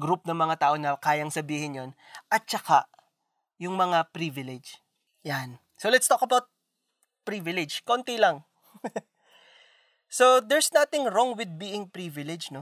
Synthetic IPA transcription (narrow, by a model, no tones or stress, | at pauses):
ɡɾup̚nɐŋmɐŋat̪aːʔo̞nɐkaːjɐŋsɐbiːhɪnjon | ʔɐt̪̚t͡ʃɐka | jʊŋmɐŋapɾivɪlɛd͡ʒ | jan | solɛt̪st̪okɐbawt̪̚ | pɾivɪlɛd͡ʒkont̪ilɐŋ | sod̪ɛɹsnat̪ɪŋɹoŋwɪd̪̚biːʔɪŋpɹivɪlɛd͡ʒno